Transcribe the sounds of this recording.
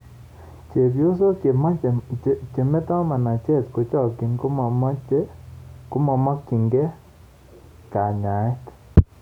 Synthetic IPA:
t͡ʃe˨βjo˦so˦˨ma˦ | t͡ʃe˨me˦ta˦ma˨na˨t͡ʃe˦˨tko˨t͡ʃa˦˨ki˨nko˦ma˨ma˦ku˦ma˨ma˦ki˨ŋɡe˦ | ka˨ɲa˨e˦t

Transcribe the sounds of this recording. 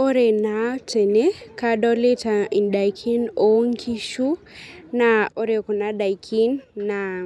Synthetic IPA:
o˦ɾe˨na˨te˨ne˦ka˦ɗɔ˦le˦ta˨i˨nda˨jkʰi˦no˦ŋkʰi˦ʃu˦ | na˨o˦ɾe˨kɔ˨na˦da˨jkʰi˦nːa˨

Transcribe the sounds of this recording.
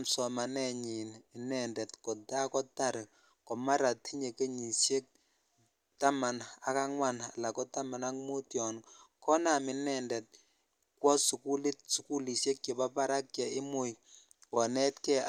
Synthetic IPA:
msɔ˨ma˨nɛ˦ɲi˨nɪ˨nɛ˨ndɛ˨tkɔ˨ta˦kɔ˦ta˦˨ɾ | kɔ˨ma˦ɾa˨ti˦ɲe˨ke˦ɲi˨sje˦k̚ | ta˦ma˨na˨ka˦ŋwa˦na˨la˨kɔ˦ta˦ma˨na˦kmo˦tjɔ˨n˨kɔ˦na˨mɪ˨nɛ˨ndɛ˨t̚ | kwɔ˦su˨ku˦li˦t̚su˨ku˦li˨se˦k̚ke˨ba˦pa˦ɾa˦kt͡ʃɛ˨ɪ˦mʊ˦˨j | kɔ˨nɛ˦tkɛ˦

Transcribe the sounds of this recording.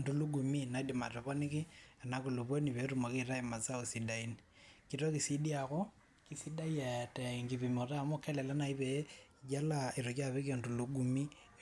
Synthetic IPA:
ndu˨lu˦ɡu˨mi˦na˨i˦di˨ma˨te˨βɔ˦ni˦ki˦a˨na˨ku˨lu˨bo˦ni˨βe˨ɾu˨ma˨ki˦˨ɾa˦i˨ma˨t͡sa˦o˨si˨da˦i˦ni | ki˨ɾo˦ki˨si˦di˦a˨kɔ˦ | ki˨˦si˦da˦ja˨tɛ˨ŋɡi˨βi˨mo˨ra˨mo˦kɛ˦lɛ˨la˦na˨i˦βe˨˦˨ | d͡ʒa˦la˨i˨ɾo˨ka˦˨βe˦ke˨ndu˨lu˨˦ɡu˨mi˦

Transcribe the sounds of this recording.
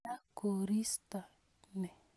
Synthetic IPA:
a˦ko˨ɾi˦st̪a˨ | nɛ˨

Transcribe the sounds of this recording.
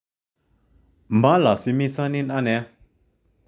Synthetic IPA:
ma˩˨la˩˨si˩˥˨mi˥˨sa˥ni˥na˥˨nɛ˩˨

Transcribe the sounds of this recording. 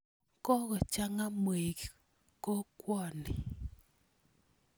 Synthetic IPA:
kɔ˦ɣɔ˨t͡ʃa˦ŋa˦mwe˨k | ko˦kwɔ˦˨nɪ˨

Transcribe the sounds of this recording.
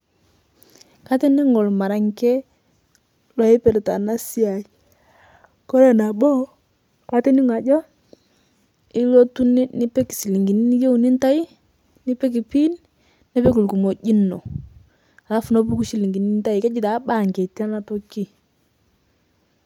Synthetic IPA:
ka˦te˦nɪ˦ŋo˨lma˨ɾa˨ŋkɛ˦ | lwa˨ɪ˦pe˨ɾe˨ta̰˨na˦si˦a˨ | ko˦ɾe˨na˨bo˦ | kwa˦te˦nɪ˦ŋ˨a˨d͡ʒɔ˦ | ɪ˦lo˦tu˦nɪ˦nɪ˦pɛ˦ki̥˨si˨li˨ŋɡi˨ni˦ni˦je˦u˨ni˦nta˦i˦ | nɪ˦pɛ˦k̬i˨pi˦nː | ɛ˦pe˦ku˨lku˨mo˨d͡ʒi˦no̰˨ | a˨la˦fʊ˨no˦p̬u˦ku˦ʃi˨li˨ŋɡi˨ni˦n˦ta˦ɪ˨kɛ˦d͡ʒi˦ta˨˦ba˦˨ŋke˨ta˦na˦to˦ki˦

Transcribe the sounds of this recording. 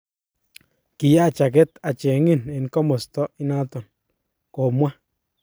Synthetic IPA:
ki˨ja˦˨t͡ʃa˨ke˦t̪a˨t͡ʃe˨˦ŋi˦˨ne˨n˦ko˦mo˨st̪o˦i˦na˦t̪o˨n | ko˨mwa˦

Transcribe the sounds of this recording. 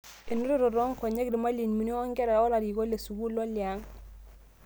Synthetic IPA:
e˨nu˦ɾu˦ɾɔ˨ɾo˦ŋko˨ɲe˦kɾi˨ma˦li˨nmi˨ni˦o˦ŋɡɛ˦ɾa˨o˦la˨ɾi˨ɡo˦le˨su˨ɡu˦lo˦li˨a˨˦ŋ

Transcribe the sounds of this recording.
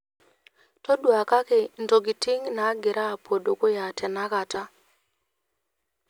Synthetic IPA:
to˦dwa˨ka˦ke˨nto˨ɡi˨ti˦ŋna˨˦ɡɪ˨ɾaː˦˨po˨do˨ko˦ja˨tʰɛ˨na˦ka˨ta˦

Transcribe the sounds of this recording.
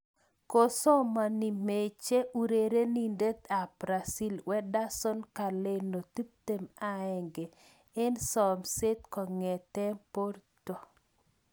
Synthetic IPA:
ko˦sɔ˦ma˨ni˨me˨t͡ʃe˦u˦ɾe˨ɾe˦ni˨nde˦t̪a˨bɾa˨si˦lwʔɛ˦da˦sɔ˦nka˨le˦no˨t̪i˦p̚t̪e˨ma˦ɛ˨ŋɡe˨ | e˦nsɔ˨mse˦t̪kɔ˨ŋɛ˨tɛ˦po˦rtɔ˨

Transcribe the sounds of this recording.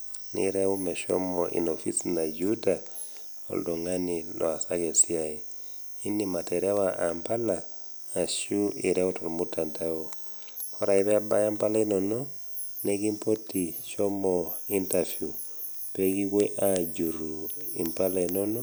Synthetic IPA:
nḭɾɛu˦mɛ˨ʃɔ̰˦mɔʔḭ˨nofi˦sna˨d͡ʒuda˨ | o̰˨ldɔ˨ŋa˦nilʔɔ̰˨a˨sake˨si˦ai˨ | i˦ni˦ma˨te˨ɾɛ˦waʔa˨mpa˦laː˨ | ʃu˦i˨ɾɛ˦utɔ˨lmu˦tʰa˨ntao | ɔ˦ɾa˨i˦βɛ˦a˦ba˦ja˦mpa˦la˦inɔ˨nɔ | ne˦ki˦mpo˦ti˨ʃɔ˦mɔi˦ntafju˨ | pe˦ki˦ɣwe˦ʔa˦ɟu˨ɾu˨i˨mpa˦la˨i˨nɔ˦nɔ˦

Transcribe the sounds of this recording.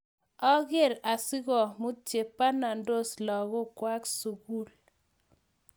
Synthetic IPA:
ɔ˦ɣe˦˨ɾa˨sɪ˦ɣɔ˨mu˦t͡ʃe˨pa˦na˨ndo˦slɔ˨ɣɔ˦kwa˦ksu˨ɡu˦l

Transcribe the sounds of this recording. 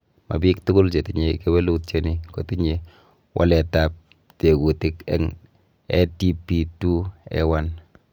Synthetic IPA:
ma̰˨bi˦ktʊ˦kʊ˦lt͡ʃe˨tɪ˨ɲe˨ke˦wɛ˦lu˦tt͡ʃe˦ni˦ko˨ti˦ɲe˨ | wʔa̰˦lɛ˨ta˦p̚ | te˨ku˨tɪ˦kɛ̰˦ŋ | ɛ̰˦ti˦pi˦tu˦ɛ̰˦wa˦n

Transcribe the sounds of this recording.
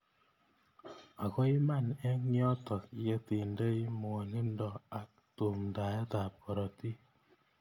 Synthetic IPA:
a˨kɔ˦i˦ma˦˨nɛ˦ŋjɔ˦tɔ˨kje˦ti˨nde˦i˦mo˨ni˦ndɔ˦˨a˨k̚ | to˨mnda˨ja˦ta˨p̚ɔ˨ɾɔ˨ti˦

